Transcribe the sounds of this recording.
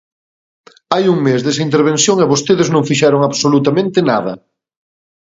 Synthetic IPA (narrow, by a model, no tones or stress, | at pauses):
ajuŋmezðesɐint̪̬eɾβ̞ẽnθjoŋeβost̪eðɪznõŋfiʃɛɾoŋaβsolut̪amẽnt̪ɪnaðɐ̰